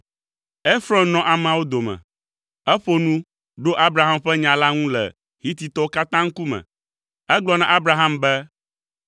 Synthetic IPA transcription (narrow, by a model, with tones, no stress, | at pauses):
e˦fɾɔ̃˦nnɔ̃˨ʔa˨m˨ã˨wo˦d̪o˨mɛ̰̃˨ | ɛ˦ɸo˦nũ˦ | ɖo˦ʔa˦bɾa˨ɦa˦mɸɛ˦ɲã˨la˦ŋũ˦lɛ̰˨ | ɦi˦t̪i˨t̪ɔ˦wo˦ka˦t̪ã˦ŋ̩˦ku˦mɛ̰̃˨ | ɛ˦ɡ͡blɔ˦nã˨ʔa˦bɾa˨ɦa˦mbɛ˦